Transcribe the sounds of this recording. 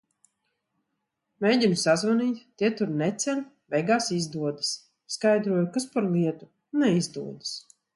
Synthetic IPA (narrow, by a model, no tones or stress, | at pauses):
mejɟʲinusazvaniːt̪t̪iɛt̪uɾnɛt̪sʲɛn | vɛjɡaːsizd̪uɔd̪ɨs | skajd̪ɾuɔjukaspaɾlˠiɛt̪u | nɛizd̪uɔd̪ɨs